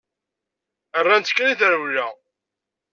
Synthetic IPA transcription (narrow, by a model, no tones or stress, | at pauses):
ərːænt̪kːæniθəɾwlæ